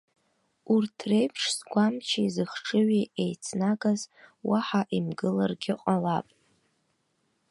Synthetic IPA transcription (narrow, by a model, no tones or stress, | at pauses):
urtʰrejpʰʂzɡʷamt͡ʃʰaizɨχʂɨɥiejt͡sʰnaɡazwaħaʔimɡɨlarɡʲɪqʼalapʼ